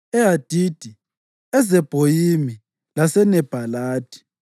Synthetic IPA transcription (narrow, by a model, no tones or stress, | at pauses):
ɛad̥ʱid̥ʱi | ɛzɛb̥ʱojimi | lasɛnɛb̥ʱalaːd̥ʱi̥